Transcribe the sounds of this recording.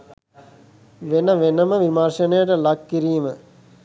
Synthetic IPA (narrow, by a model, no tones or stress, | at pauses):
ʋenəʋenəməʋimarʃənəjəʈəlakːiɾiːmə